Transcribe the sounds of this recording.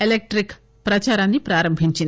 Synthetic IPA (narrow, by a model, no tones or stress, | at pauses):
elek̚ʈɾik | pɾɐt͡ʃaɾãnipɾaːɾəmbʱint͡ʃin